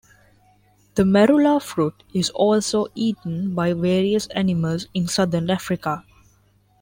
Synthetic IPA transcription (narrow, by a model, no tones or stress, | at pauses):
d̪̥əmɛɾulafɾuːʈ | ɪzɔːlsoːʔiːʈə̃n̩baɪʋeːɾiəsæ̰nɪməlzɪ̃nsʌd̪əɾnæfɾɪka